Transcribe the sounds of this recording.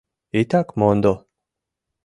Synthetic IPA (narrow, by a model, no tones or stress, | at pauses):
it̪akmond̪o